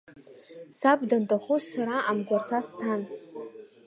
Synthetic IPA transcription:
sabdantʼaχʷusaɾaʔamɡʷartʰastʰan

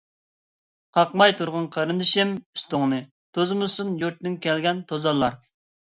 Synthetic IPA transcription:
qʰɑqmɑjt̪ʰuɾʁɑnqʰɑɾɨnd̪ɨʃɪmyst̪ʊŋnɨ | t̪ʰozmɨsunjuɾt̪nɪŋkʲʰɛlɡʲɛnt̪ʰozɑlˠːɑɾ

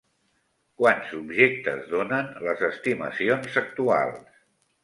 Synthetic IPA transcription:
kwanzubʒek̚t̪ə̰zðonənləzəst̪imə̰sionzək̚t̪ua̰lˠs

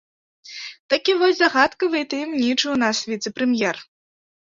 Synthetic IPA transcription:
t̪akʲivɔzʲzaɣat̪kɐvɨt̪ɨmnʲit͡ʂɨwnasvʲit̪sɨpɾɛmjɛr

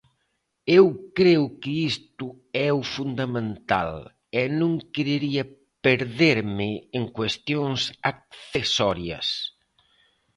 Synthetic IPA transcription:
ewkɾeʊkɪist̪ʊ | ɛufund̪ɐmẽnt̪a̰l | ɛnõŋkeɾeɾiɐ | peɾðeɾmɪeŋkwest̪joŋsak̚θesɔɾjɐ̰s

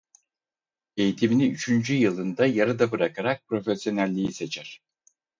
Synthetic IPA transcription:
e̞jit̪ʰiminiyt͡ʃʰynd͡ʒyjɯlˠɯnd̪ajaɾɯd̪abɯɾakʰaɾak̚pɾo̞fesjo̞nælʲːijise̞t͡ʃʰæɾ̥

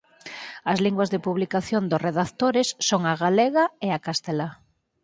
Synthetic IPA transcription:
ɐzliŋɡwɐzðepuβlikaθjond̪ʊsreðakt̪oɾesːoŋaɣaleɣaeakast̪ela

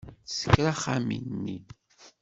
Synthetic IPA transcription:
sə̥kːɾaχamḭnnːi

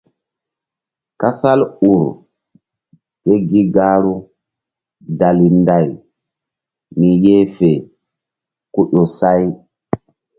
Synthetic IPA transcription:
kasaluɾ | tɛɡiɡaːɾu | dalindaj | mijɛːfɛ | kuɗɔsaj

